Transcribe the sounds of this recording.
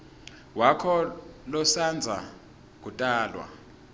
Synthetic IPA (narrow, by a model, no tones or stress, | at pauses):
wakʰɔlɔsand͡zʱa̰ | k̬utʼaːlwa̰